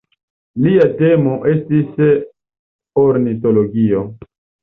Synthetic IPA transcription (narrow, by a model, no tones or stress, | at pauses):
liate̞moʔe̞stis | oɾnit̬oloɡio